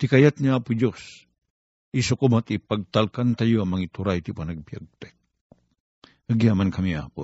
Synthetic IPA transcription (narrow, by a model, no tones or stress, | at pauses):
t̪ɪkajat̪̚niaːpʊd͡ʒos | ʔisʊkʊmat̪ipaɡ̚t̪alkant̪ajoɐŋmɐŋit̪uɾajt̪ipanɐɡ̚bja̰ɡ̚t̪ɛ | həɡjamankɐmia̰po